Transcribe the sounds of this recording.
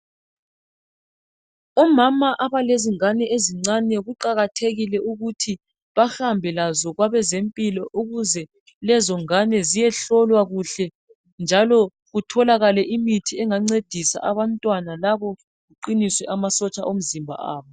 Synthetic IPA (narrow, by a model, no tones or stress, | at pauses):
ɔmamaʔaβaleziŋanɛʔeziŋ͡ǀanɛɣuǃaɣatʰeɣilɛʔuɣutʰi | βahambʱɛlazɔɣwaβɛzempʼilɔʔuɣuzɛ | lɛzɔŋanɛzijɛɬɔlwaɣuɬɛ | nd͡ʒʱalɔ | ɣutʰɔlaɣalɛʔimitʰiɛŋaŋ͡ǀed̥ʱisa̰ʔaβantʼwanalaβɔ | ɣuǃiniswɛʔamasɔt͡ʃʼaʔom̩zimbʱa̰ʔa̰ːβɔ